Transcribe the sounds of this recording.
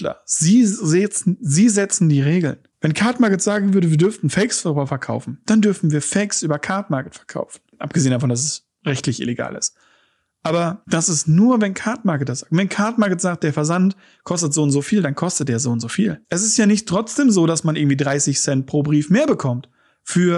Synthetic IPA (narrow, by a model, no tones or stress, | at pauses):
lɐ̰z̥iːzɛt͡sn̩ziːzɛt͡sn̩diːʁeːɡl̩n | vɛnkʰaɐtmaɐkətz̥aːɡŋ̩vʏɐɾəviːɐdʏɐftn̩fɛksfaʁyːbɐfɛɐkʰaʊfn̩d̥andʏɐfn̩viːɐfɛɪksʔyːbɐkʰaɐtmaɐkətfɛɐkʰa̰ʊfn̩ʔa̰p̚ɡ̥əzeːəndaf̬ɔndas̬ɛs | ʁɛçtlɪçʔɪ̰leɡa̰ːlɪ̰st | ʔaːbɐd̥asɪstnuːɐvɛnkʰaɐtmaɐkətɐz̥aːɡ̩̚vɛnkʰaɐtmaɐkətz̥aːk̚t̚d̥eːɐfɛɐzant | kʰɔstətz̥oːntzoːfiːldankʰɔstət̚d̥eːɐzoːʊntz̥oːfiːlʔɛs̬ɪstjaːnɪçtʁ̥ɔt͡sd̥eːmzoːdasmanɪɡŋ̩tv̥iːdʁaɪsɪçsɛnt̚pʁ̥oːbʁiːfmeːɐbəkʰɔmt | fyːɐ